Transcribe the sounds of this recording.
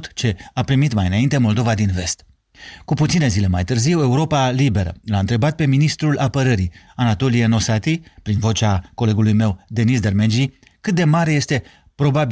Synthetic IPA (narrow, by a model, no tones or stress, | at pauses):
t̪t͡ʃe̞apɾimit̪majɨnaint̪e̞mo̞ld̪o̞vad̪inve̞st̪ | kuput̪sine̞zile̞majt̪ɨrziwe̞uɾo̞palibe̞ɾə̰laɨnt̪ɾe̞bat̪̚pe̞minist̪ɾulʔapəɾəɾianat̪o̞lijeno̞sat̪ipɾinvo̞t͡ʃako̞le̞ɡulujme̞wd̪e̞nisd̪ermend͡ʒi | kɨt̪̚d̪e̞maɾe̞je̞st̪e̞ | pɾo̞bab